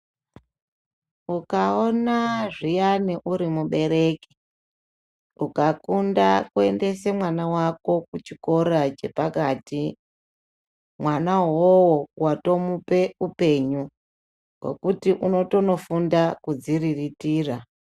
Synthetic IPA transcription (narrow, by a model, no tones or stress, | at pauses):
ukaonaʐijaniʔuɾimuɓe̞ɾe̞ki̥ | ukakundakue̞nde̞semwanawako̞kut͡ʃiko̞ɾat͡ʃe̞pakaːti | mwanaɦwowowato̞mupe̞upe̞ɲu | wwe̞̰kutiʔuno̞to̞no̞fundakud͡ziriritiːra